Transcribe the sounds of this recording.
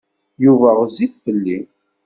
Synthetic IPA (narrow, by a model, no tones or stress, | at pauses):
juvæʁziθfəlːi